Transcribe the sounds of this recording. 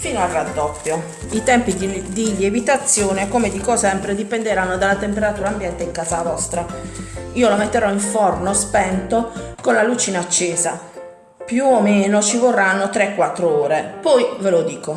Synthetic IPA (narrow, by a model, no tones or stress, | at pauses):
fiːnoalrːad̪ːɔpːjo | it̪ɛmpid̪iʎevit̪at̪sːjoːnekomed̪ikɔsɛmpɾed̪ipend̪eɾanːod̪alːat̪empeɾat̪uːɾaːmbjɛnt̪eiŋkaːzavɔst̪ɾa | iːolomet̪ːeɾɔiɱfɔrnospɛnt̪okonlalut͡ʃiːnaːt͡ʃːeːza | pjuomeːnot͡ʃivorːanːot̪ɾɛkːwat̪ːɾooːɾepɔjvelod̪iːko